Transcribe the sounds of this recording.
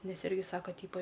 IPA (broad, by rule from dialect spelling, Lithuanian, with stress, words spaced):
ˈnʲɛs ˈɪrʲɡʲɪ ˈsɑːkɐ ˈtʲiːpɐ